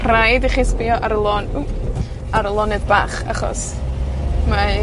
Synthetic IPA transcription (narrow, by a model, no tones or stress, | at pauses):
rajdiχiːspijɔʔaɾəlˠoːnu | aɾəlˠɔnɨdbaːχa̰χɔ̰s | ma